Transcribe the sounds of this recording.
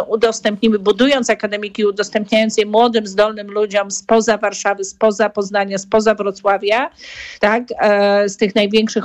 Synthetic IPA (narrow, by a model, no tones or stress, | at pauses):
ud̪ɔst̪ɛmpɲimɘbud̪ujɔnt̪sakad̪ɛmʲikʲiud̪ɔst̪ɛmpɲajɔnsjɛmwɔd̪ɘmzd̪ɔlnɘmlud͡ʑɔmspɔzavaɾʂavɘspɔzapɔznaɲaspɔzavɾɔt̪swavʲjat̪akst̪ɘxnajvʲjɛŋkʂɘx